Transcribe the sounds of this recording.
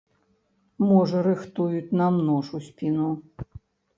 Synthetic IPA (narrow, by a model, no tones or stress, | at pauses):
mɔʐɐɾɨxt̪ujut͡sʲnamnɔʂusʲpʲinu